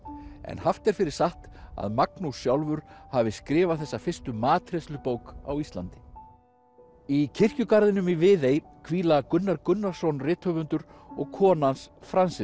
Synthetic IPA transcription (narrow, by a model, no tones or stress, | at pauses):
ɛ̰nhaft̪ɛɾ̥fɪɾɪɾ̥saht̪a̰ðmaknusjawlvʏɾ̥havɪskɾɪːvaθɛsːafɪr̥st̪ʏmaːt̪ʰɾeslʏpowka̰wist̪lant̪ɪ̥ | icʰɪr̥cʏkaɾðɪnʏmivɪːðej | kʰviːlakʏnːaɾkʏnːḁsownrɪːt̪hœvʏnt̪ʏɾɔɣkʰɔːnansfɾansɪ